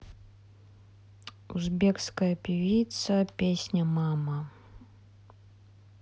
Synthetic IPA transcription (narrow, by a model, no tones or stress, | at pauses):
uzbʲekskəjɐpʲivʲit̪sɐpʲesʲnʲɐmamə